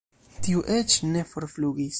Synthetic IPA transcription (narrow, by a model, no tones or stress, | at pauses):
tiuʔe̞t͡ʃne̞fo̞ɾfluɡis